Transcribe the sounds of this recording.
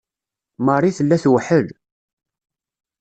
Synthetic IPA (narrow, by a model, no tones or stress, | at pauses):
mərˤːiθəlːæθwəħəl